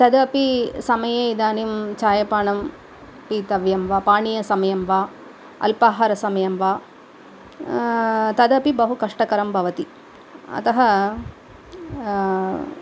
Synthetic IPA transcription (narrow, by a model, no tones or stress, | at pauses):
t̪ɐd̪ɐpisɐmɐjeid̪aːnimt͡ʃaːjɐpaːɳɐm | piːt̪ɐʋjɐmʋaːpaːɳijɐsɐmɐjɐmʋaː | ɐ̰lpaːɦaːɾɐsɐmɐjɐmʋaː | t̪ɐd̪ɐpibɐɦukɐʂʈɐkɐɾɐmbʱɐʋɐt̪i | ɐ̰t̪ɐɦɐ